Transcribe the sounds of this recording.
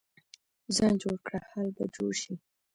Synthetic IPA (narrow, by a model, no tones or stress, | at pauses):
zɑnd͡ʒoɽkɽahalbad͡ʒoɽʃi